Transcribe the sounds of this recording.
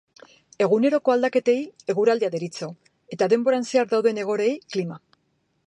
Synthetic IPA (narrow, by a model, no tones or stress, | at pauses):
e̞ɣune̞ɾo̞ko̞ald̪ake̞t̪e̞je̞ɣuɾald̪eaðeɾit͡so̞ | e̞t̪aðe̞mbo̞ɾanseaɾd̪awðe̞ne̞ɣ̞o̞ɾe̞jklima